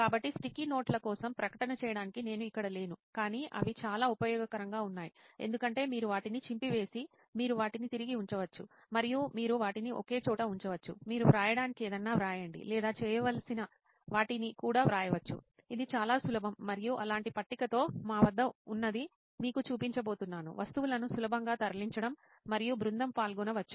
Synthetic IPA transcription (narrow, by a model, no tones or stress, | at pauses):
kaːbɐʈːisʈikino̞ːʈlɐkɔːsɐmpɾɐkɐ̥ʈɐnɐt͡ʃɛːjɐɽaːnikine̞ːnuikːɐɽɐle̞ːnukaːniːʔɐ̰ʋit͡ʃaːlaːupɐjɔːɡɐkɐɾɐŋɡaːunːaːjie̞nd̪ukɐɳʈe̞ːmiːɾuʋaːʈinit͡ʃimpiʋe̞ːsi | miːɾuʋaːʈinit̪iɾiɡiuɲt͡ʃɐʋɐt͡ʃːu | mɐɾijumiːɾuʋaːʈiniʔo̰ke̞ːt͡ʃɔːʈɐuɲt͡ʃɐʋɐt͡ʃːṵmiːɾuʋɾaːjɐɽaːnikieːd̪ɐnːaːʋɾaːjɐɳɖḭlɛːd̪aːt͡ʃɛːjɐʋɐlsinɐ | ʋaːʈinikuːɽaːʋɾaːjɐʋɐt͡ʃːṵ | id̪it͡ʃaːlaːsulɐbʱɐmːɐɾijuʔɐlaːɳʈipɐʈːikɐt̪o̞ːmaːʋɐd̪ːɐunːɐd̪i | miːkut͡ʃuːpiɲt͡ʃɐbo̞ːt̪unːaːnṵʋʔɐst̪uʋulɐnusulɐbʱɐŋɡaːt̪ɐɾɐliɲt͡ʃɐɽɐmː | ɐɾijubɾund̪ɐmpaːlɡunɐʋɐt͡ʃːu̥